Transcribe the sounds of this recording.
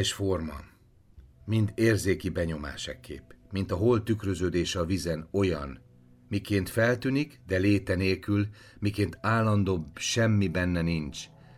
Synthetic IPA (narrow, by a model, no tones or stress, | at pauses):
ʃfo̞rmɒ̰ | mind̪eːrzeːkibɛɲo̞ma̰ːʃɛ̰kːḛːpmint̪ɒɦo̞lt̪ykrø̞zøːd̪eːʃɒvizɛno̞jɒ̰n | mikeːnt̪fɛlt̪ynikd̪ɛleːt̪ɛneːlkyl | mikeːnt̪aːlːɒnd̪oːbʃɛmːibɛnːɛnint͡ʃ